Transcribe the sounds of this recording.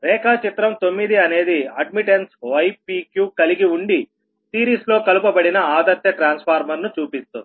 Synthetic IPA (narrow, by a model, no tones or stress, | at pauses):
ɾɛːkaːt͡ʃit̪ɾɐmt̪o̞mːid̪iɐne̞ːd̪iɐɖmiʈensʋɐjpiːkjuːkɐliɡiuɳɖi | siːɾiːslo̞ːkɐlupɐbɐɽinɐaːd̪ɐt̪jɐʈɾaːnspʰaːɾmɐɾnut͡ʃuːpist̪ud̪